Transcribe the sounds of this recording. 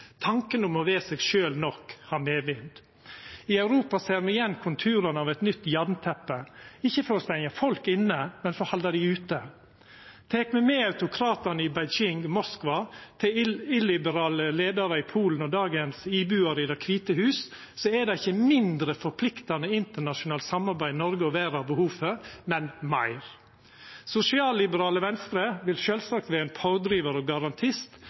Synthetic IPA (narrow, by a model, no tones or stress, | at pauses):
t̪ʰɑŋkənʊmɔʋeːsɛːɡʃøːlnɔkːhɑɾmeːʋɪnd̪ | ɪɑʉɾuːpɑseːɾmɛjɛnːkʰʊnt̪ʰʉːɾənəɑʋɛt̪nʏt̪ːjɑɾnt̪ʰɛpːəɪçːəfɔɾɔst̪æɪŋɑfɔlkɪnːəmɛnfɔhɑld̪ɑd̪ɪʉːt̪ə | t̪ʰeːkmɛmɛɑʉt̪ʊkʰɾɑːt̪ənəɪbæɪd͡ʒɪŋmɔskʋɑt̪ʰɪɪlɪbəɾɑːləleːd̪ɑɾəɪpʰuːln̩ɔd̪ɑːɡənsiːbʉːɑɾəɪd̪ɑkʰʋiːt̪əhʉːs | sɔɛd̪ɑɪçəmɪnd̪ɾəfɔɾpʰlɪkt̪ɑnəɪnt̪əɳɑʃʊnɑːlsɑmɑɾbæɪnɔɾɡəɔʋæːɾɑbəhuːfəmɛnmɑɪɾ | sʊsɪɑːlːɪbəɾɑːləʋɛnst̪ɾəʋɪlʃøːlsɑk̚t̪ʋeːɛːnpʰɑʊd̪ɾiːʋəɾɔɡɑɾɑnt̪ʰɪst̪